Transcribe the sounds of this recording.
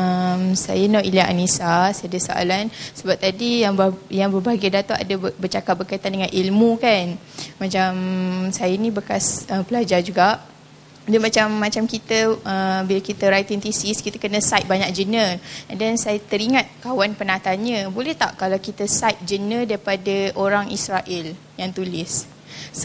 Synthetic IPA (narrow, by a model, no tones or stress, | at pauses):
əmsa̰janaʔiliaʔanisasadəsoa̰lansəbap̚t̪adijaŋbjaŋbəbaɡadat̪aʔa̰dəbərt͡ʃakat̚bərkait̪andəŋanʔilmũkan | mat͡ʃamsajanĩbəkasəmpəlad͡ʒard͡ʒuɡaʔ | damat͡ʃamːãt͡ʃamkit̪əəbilakit̪əɾajt̪int̪isiskit̪akənə̃sajt̪̚baɲak̚d͡ʒənəndɛnsajət̪əɾiŋãt̪̚kawanpənãt̪aanɲə̃bolɛht̪aʔkalawkit̪əsajt̪̚d͡ʒənə̃daɾiipadəʔoɾaŋisɾaʔɛl | jaŋt̪ulɪs